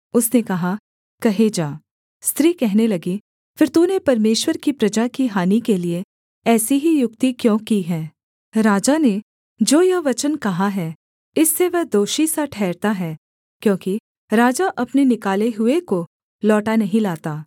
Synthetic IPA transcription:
ʊsnekɐɦa | kɐɦed͡ʒaː | st̪ɾiːkɛɦnelɐɡi | fɪɾt̪unepɐɾmeːʃwəɾkipɾɐd͡ʒakiɦaːnikelie | ɛːsiɦijʊk̚t̪ikjõːkiɦɛ̃ː | ɾaːd͡ʒane | d͡ʒoːjɐʋɐt͡ʃənkɐɦaɦɛː | ɪsːeʋɐɦd̪oːʃisaʈʰɛːɾt̪aɦɛː | kjõːki | ɾaːd͡ʒaʔɐpnenɪkaːleɦʊeko | lɔːʈanɐɦĩlaːt̪aː

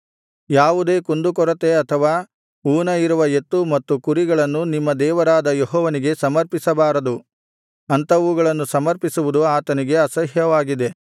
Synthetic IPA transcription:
jaːʋud̪e̞ːkond̪ukɔɾɐt̪e̞ɐt̪ʰɐʋaː | uːnɐiɾuʋɐet̪ːumɐt̪ːukuɾiɡɐɭɐnːunimːɐd̪ɛːʋɐɾaːd̪ɐjeɦɔːʋɐniɡe̞sɐmɐɾpisɐbaːɾɐd̪u | ɐnt̪ɐuɡɐɭɐnːusɐmɐɾpisuʋud̪uaːt̪ɐniɡe̞ɐsɐɦjɐʋaːɡid̪e̞

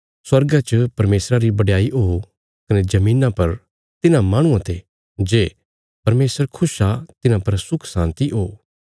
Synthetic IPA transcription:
swɐɾɡat͡ʃəpɐɾmeːsɾaɾibɐɽjaːiʔoː | kɐned͡ʒɐmĩːnãpɐɾ | t̪ɪnãmaːɽ̃ʊ̃ãt̪e | d͡ʒeː | pɐɾmeːsəɾkʰʊsat̪ɪnãpɐɾsʊkʰsãːnt̪iɦoː

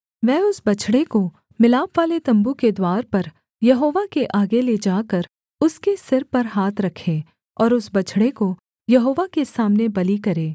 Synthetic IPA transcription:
ʋɛːʊsbɐt͡ʃʰɽeko | mɪlaːpʋaːlet̪ɐ̃mbuked̪waːɾpɐɾ | jɐɦoːʋakeʔaːɡeled͡ʒaːkəɾ | ʊskesɪɾpɐɾɦaːt̪ʰɾɐkʰeː | ɔːɾʊsbɐt͡ʃʰɽeko | jɐɦoːʋakesaːmnebɐlikɐɾeː

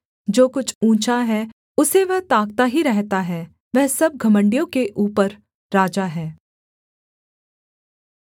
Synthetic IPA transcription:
d͡ʒoːkʊt͡ʃʰũːt͡ʃaɦɛ | ʊseʋɛɦt̪aːk̚t̪aɦiɾɛɦt̪aɦɛː | ʋɛɦsɐb̚ɡʱɐmə̃ɳɖijõkeʔuːpəɾː | aːd͡ʒaɦɛː

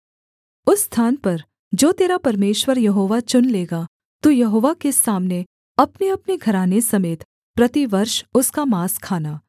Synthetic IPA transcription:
ʊsːt̪ʰaːnpɐɾ | d͡ʒoːt̪eːɾapɐɾmeːʃwəɾjɐɦoːʋat͡ʃʊnleːɡa | t̪uːjɐɦoːʋakesaːmne | ɐpneɐpneɡʱɐɾaːnesɐmeːt̪ | pɾɐt̪iʋɐɾʃʊskamaːskʰaːnaː

